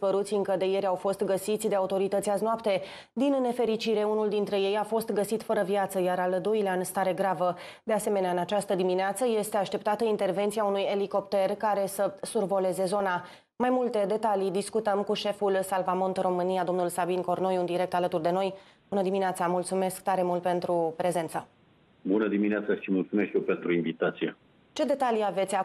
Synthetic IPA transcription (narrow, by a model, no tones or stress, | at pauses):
spəɾut̪sʲɨŋkəd̪e̞je̞ɾʲawfo̞st̪ɡəsit̪sʲd̪e̞aut̪o̞ɾit̪ət̪sʲaznoapt̪e̞ | d̪inːe̞fe̞ɾit͡ʃiɾe̞unuld̪int̪ɾe̞je̞jafo̞st̪ɡəsit̪fəɾəvjat̪səjaɾaləd̪oileaɨnst̪aɾe̞ɡɾavə | d̪e̞ase̞me̞neaɨnat͡ʃast̪əd̪imineat̪səje̞st̪eaʃt̪e̞p̚t̪at̪əint̪e̞rve̞nt̪siaunuje̞liko̞pt̪e̞rkaɾe̞səsurvo̞le̞ze̞zo̞na | majmult̪e̞d̪e̞t̪alid̪iskut̪əmkuʃe̞fulsalvamo̞nt̪ro̞mɨnijad̪o̞mnulsabinko̞rno̞jund̪iɾe̞k̚t̪alət̪urd̪e̞no̞j | bunəd̪imineat̪samult̪sume̞skt̪aɾe̞mult̪̚pe̞nt̪ɾupɾe̞ze̞nt̪sa | bunəd̪imineat̪saʃimult̪sumeskjewpent̪ɾuinvit̪at̪sijḛ | t͡ʃe̞d̪e̞t̪aliave̞t̪sʲa